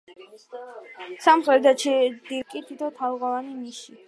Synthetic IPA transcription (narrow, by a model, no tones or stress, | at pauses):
samχɾɛɾd̪at͡ʃʰid̪ikʼit̪ʰit̪ʰɔt̪ʰaʁavaniniʃi